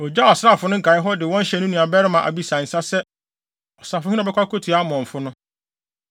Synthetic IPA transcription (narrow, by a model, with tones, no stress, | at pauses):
ɔ˨d͡ʑa˦ɔ˨sɾa˦˨fʊ˨˦nʊ̃˦ŋ̩˦kʰa˨ɪ˦ɦɔ˦dɪ˨wɔ̃˦n̩˦ɕɛ˨˦nʊ̃˦nũ˨a˨bɛ˦ɾɪ˦mã˨ʔa̰˨bi˦sa˨n̩˨sa˦sɛ˦ | ɔ˨sa˨fʊ˨˦hĩ˦ɔ˨bɛ˦kʰʷa˦kʰo˦tʰi˨a˦mɔ̃˨ɱ̩˨fʊ˦nʊ̃˦